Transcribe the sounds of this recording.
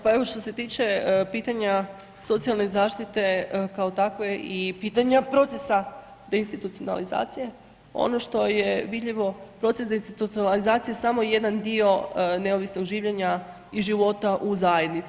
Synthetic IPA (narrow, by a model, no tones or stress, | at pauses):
pae̞ʋo̞ʃt̪o̞se̞t̪iːt͡ʃe̞piːt̪aɲa | so̞t̪sialˠne̞zaːʃt̪it̪e̞kao̞t̪akʋeipiːt̪aɲapɾo̞t̪e̞sa | d̪einst̪it̪ut̪sijona̰liza̰ːt̪sije̞ | o̰no̞ʃt̪o̞je̞ʋid̪ʎeʋo̞pɾo̞t̪sesd̪einst̪it̪ut̪sionalizaːt̪sijesamo̞je̞d̪and̪io̞ne̞o̞ʋisno̞ɡʒiːʋʎeɲa | iʒiʋo̞t̪aʔuzaje̞d̪nit̪s